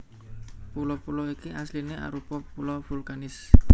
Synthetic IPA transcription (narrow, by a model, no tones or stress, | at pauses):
pulɔpulɔikiʔaslineʔa̰ɾupɔpulɔv̥ulkanɪs